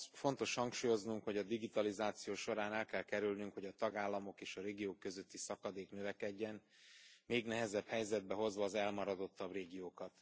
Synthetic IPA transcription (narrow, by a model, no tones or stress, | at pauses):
fo̞nt̪o̞ʃhɒŋkʃuːjo̞znuŋkho̞ɟɒd̪iɡit̪ɒlizaːt̪sijoːʃo̞ɾaːnɛlkɛlkɛɾylnyŋkho̞ɟɒt̪ɒɡaːlːɒmo̞keːʃɒɾeːɡijoːkːø̞zø̞t̪ːisɒkɒd̪eːknøvɛkɛɟːɛnmeːɡnɛɦɛzɛbhɛjzɛd̪̚bɛɦo̞zʋɒːzɛlmɒɾɒd̪o̞t̪ːɒbreːɡijoːkɒt̪